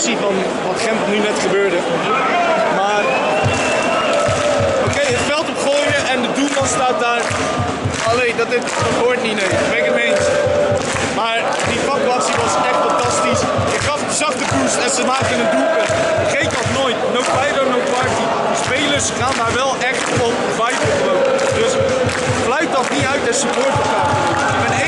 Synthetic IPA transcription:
sivɑn | ʋɑtχɛmpnynɛtχəbøːɹdə | maːr | owkejətfɛlˠtɔpχoːjəʔɛndədumɑnstaːt̚daːɹ | ɑlejdɑtɪ | dɑtɦoːɹtninejbɛkəmejns | maːɹ | difɑkyaːtsiʋɑsɛχtfɑntɑstis | ɪkχɑfətəzɑχtəkuɹsɛnsəmaːk̚ənəndulkə | ɪkχejkɔχnoːjtnowtfajɾonowtpɑɹti | dəspejləɹsχaːndaːɹʋɛlˠʔɛχt | ɔn | vajflˠχlowədøs | flœɥt̚ɔχniœɥtɛsəpoɹtəpχaː | ɪɪɡbɛnɛ

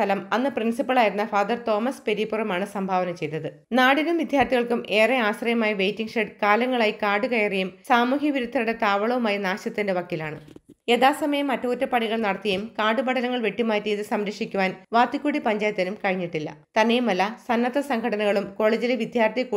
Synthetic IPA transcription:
ɐlɐmɐnːɨprinsipːɐɭaːjiɾunːɐfaːd̪ɐrt̪o̞ːmɐspe̞ɾipurɐmaːɳɨsɐmbʱaːʋɐnɐmt͡ɕe̞jt̪ːɐðɨ | naːɽinumʋid̪ʱjaːrt̪ʰiɣɐɭkumʔe̞ːreaːɕrɐjɐmaːjɐʋe̞jtːiŋɡʂeɖkaːlɐŋːɐɭaːjikaːɖukɐjɐrejumsaːmuːɦjɐʋiɾut̪ʰːɐɾuɽe̞t̪aːʋɐɭɐʋumaːjɐnaːɕɐt̪ːindeʋɐkːilaːɳɨ | e̞ðaːsɐmɐjɐmːɐtːoːtːɐpɐɳiɣɐɭnɐɽɐt̪ːijejumkaːɖubɐɽɐlɐŋːɐɭʋe̞ʈːimaːtːiːðɨsɐmɾɐkʂikʲːuʋaːnʋaːt̪ːikːuːɽipɐɲd͡ʑaːjɐt̪ːɐnumkɐɻiɲːiʈːilːɐ̰t̪ɐnːejumɐlːɐsɐnːɐt̪ːɐsɐŋɡʰʱɐɽɐnɐɣɐɭumko̞ːɭeːd͡ʑileʋid̪ʱjaːrt̪ʰijɐkuː

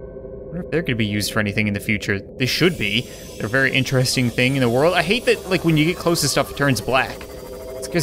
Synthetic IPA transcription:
dõnoʊɨfðə˞ɡʌnɨbijʉzd̥fə˞ɛniθɪ̃ŋɨ̃nðɨfjʉt͡ʃə˞ðɪɪʃɨd̚bi | ɨvɛɹiʔɪ̃nt͡ʃɹ̥ɨstɪ̃ŋθɪ̃ŋɨ̃nðəwɜ˞lˠdaɪɦeɪt̪̚ðɨt̚laɪkwɨ̃njɨɡɛt̚kʰl̥oʊsɨ̥stʌftʰɜ̃˞nzblæk | ɪtskʰʌ

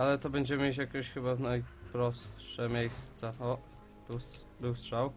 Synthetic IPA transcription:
alɛt̪ɔbɛɲd͡ʑɛmɘmʲjet͡ɕjakʲɛɕxɘbavnajpɾɔsʂɛmʲejst̪saɔ | b̥ɘws | bɘwstʂaw

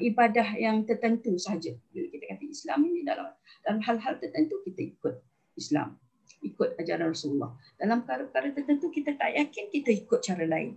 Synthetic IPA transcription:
ʔibadahjaŋt̪ərt̪ənt̪usəɦad͡ʒəbilakit̪akat̪aisla̰minĩda̰la̰md̥alamɦalɦalt̪ərt̪ənt̪ukit̪aikʊt̪̚ | isla̰m | ikʊt̪̚ad͡ʒaɾanrasululːɔ̰hd̥alampəkaɾapəkaɾat̪ərt̪ənt̪ukit̪at̪a̰ʔjakɪnkit̪aikʊt̪̚t͡ʃaɾalaɪ̰n

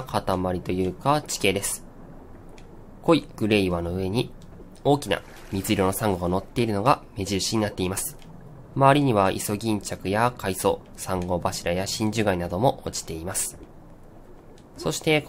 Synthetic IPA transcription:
kat̪amaɾʲit̪o̞jɯ̟ːkat͡ɕi̥ke̞ːd̪e̞sɨ̥ | ko̞iɡ̥ɯ̟ɾe̞iβano̞ɯ̟e̞ɲ̟i | o̞ːkʲina̰ | mʲizɨɾʲo̞no̞sãŋɡo̞ɡano̞t̪ːe̞iɾɯ̟no̞ɡame̞ʑiɾɯ̟ɕiɲ̟inat̪ːe̞imasɨ̥ | maβaɾʲiɲ̟iβaʔḭso̞ɡʲĩɲ̟t͡ɕakɯ̟jakʰaiso̞̰ː | sãŋɡo̞baɕiɾajaɕĩɲ̟d͡ʑɨɡainad̪o̞mo̞ʔot͡ɕi̥t̪e̞imasɨ̥ | so̞ɕi̥t̪e̞

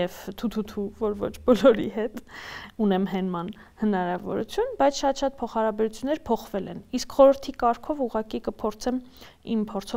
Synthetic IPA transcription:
ɛvt̪ʰut̪ʰut̪ʰuvɔɾvɔ̰t͡ʃʰbɔlɔɾḭɦɛt̪unɛmɦɛnmɑn | hənɑɾɑvɔ̰ɾṵt͡sʰjunbɑjt͡sʰʃɑt̪ʃɑt̪̚pʰɔχhɑɾɑbɛɾut͡sʰjunːɛɾpʰɔχvɛlɛniskχɔɾəɾt̪ʰikɑɾkʰɔvuʁɑkikəpʰɔɾt͡sʰɛm | impʰɔɾt͡sʰɔ

